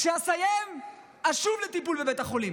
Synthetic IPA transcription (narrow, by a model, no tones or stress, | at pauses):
ʃeasajem | aʃuvlet̪ipulbebet̪aχo̞lim